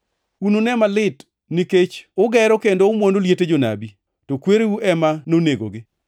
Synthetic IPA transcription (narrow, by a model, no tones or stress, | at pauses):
unonɛmalɪt | niket͡ʃʊɡɛɾɔkendoʊmwondoljeted͡ʒona̰bi | tokweɾewuʔɛmanoneɡo̰ɡɪ